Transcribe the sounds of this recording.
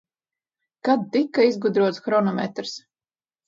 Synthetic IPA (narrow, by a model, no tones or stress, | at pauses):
kad̪̚ːikːaizɡud̪ɾuɔt̪sxɾɔnɔmʲḛt̪ɾs